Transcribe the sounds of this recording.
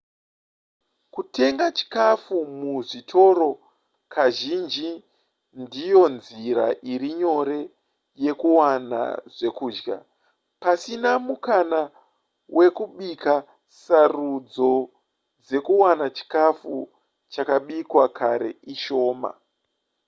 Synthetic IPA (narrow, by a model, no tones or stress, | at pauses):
kute̞ŋɡat͡ʃi̥kafumuʐitʰo̞ɾo̞ | kʰaʒind͡ʒi | ndijo̞nziɾa̰ʔiɾiɲo̞ɾe̞ | je̞kuwana̰ʐe̞kuːd͡ʒɡa̰ | pasinamukana | wʔe̞kuɓikʰa | sarud͡zo̞ | d͡ze̞kuwanat͡ʃi̥kafu | t͡ʃakaɓikwakʰaɾe̞̰iʃo̞ːma̰